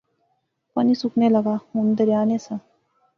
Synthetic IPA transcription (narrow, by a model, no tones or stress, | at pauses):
panisuknelaɡamund̪əɾjanesa